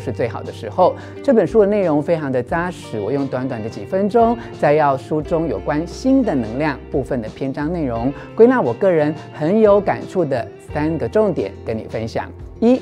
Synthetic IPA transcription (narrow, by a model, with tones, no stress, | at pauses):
ʂɻ̩˥˧t͡swe˥˩ɪxɑ˨˩ʊd̪ə˦ʂɻ̩˧˥xo˥˧ʊ | ʈ͡ʂɤ˥˩pə˨˩nʂu˥d̪ə˨ne˥˩ɪɻʊ˧˥ŋfe˥ɪʈ͡ʂʰɑ˧˥ŋd̪ə˨t͡sa˥ʂɻ̩˨˥wɔ˨˩jʊ˥˩ŋt̪wa˧˥nt̪wa˨˩nd̪ə˦t͡ɕi˨˩fə˥nʈ͡ʂʊ˥ŋt͡sa˥˧ɪjɑ˥˩ʊʂu˥ʈ͡ʂʊ˥ŋjo˨˩ʊkwa˥nɕi˥nd̪ə˨nɤ˧˥ŋljɑ˥˧ŋpu˥˧fə˥˩nd̪ə˩pʰjɛ˥nʈ͡ʂɑ˥ŋne˥˩ɪɻʊ˧˥ŋ | kwe˥ɪna˥˩wɔ˨˩kɤ˥˩ɻə˧˦˥nxə˧˥njo˧˥ʊka̰˨˩nʈ͡ʂʰu˥˩d̪ə˩ | sa˥nɡə˨ʈ͡ʂʊ˥˩ŋt̪jɛ̰˨˩˦nke˧˥ɪni˨˩fə˥nɕjɑ̰˨˩ŋi˥